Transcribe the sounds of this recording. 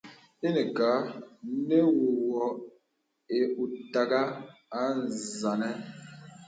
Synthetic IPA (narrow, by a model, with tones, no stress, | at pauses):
e˦ne˨kaː˨˦ne˦wo˨wɔ˨ | e˨u˨ta˨ɡa˦a˨˦nza˨nɛ˦